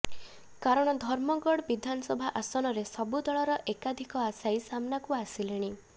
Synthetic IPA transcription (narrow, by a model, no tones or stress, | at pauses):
kaɾɔɽ̃ɔd̪ʱɔɾmɔɡɔɽbid̪ʱanɔsɔbʱaʔasɔnɔɾesɔbud̪ɔɭɔɾɔʔekad̪ʱikɔasajsamnakuasileɽ̃i